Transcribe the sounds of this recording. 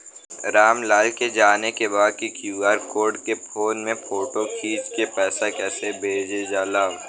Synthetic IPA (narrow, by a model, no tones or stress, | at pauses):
ɾaːmlaːlked͡ʒaːnekebaːd̪̚kikjuːaːɾkoːɾɖkepʰoːnmẽpʰoːʈokʰiːd͡ʒkepɛːsakɛːsebʱeːd͡ʒed͡ʒaːlaːʋ